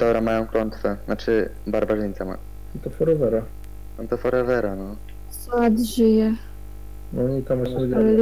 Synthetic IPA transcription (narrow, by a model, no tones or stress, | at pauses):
d̪ɔbɾamajɔ̃w̃kɾɔnt̪fɛat͡ʂɘ | baɾbaʐɘɲʲt̪sama̰ | at̪ɔfɔɾɔvɛɾa | amt̪ɔfɔɾɛvɛɾanɔ | sad̪ʑijɛ | nɔit̪amaɛ